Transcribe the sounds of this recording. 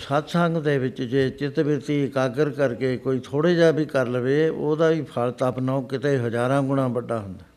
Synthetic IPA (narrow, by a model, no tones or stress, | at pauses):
sət̪sə̃ŋɡd̪eːʋɪt͡ʃd͡ʒeːt͡ʃɪt̪bɪt̪iːkaːɡəɾkəɾkeːkoːiːt̪ʰoːɽeːd͡ʒaːbiːkəɾləʋeːoːd̪aːʋiːpʰalt̪apnaːoːkɪt̪eːɦəd͡ʒaːɾãːɡʊɽ̃ãːbəɖːaːɦʊnd̪aː